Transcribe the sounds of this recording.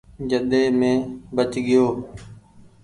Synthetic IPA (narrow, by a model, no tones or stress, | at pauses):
d͡ʒəɗ̪eːmẽːbət͡ʃɠɪjoː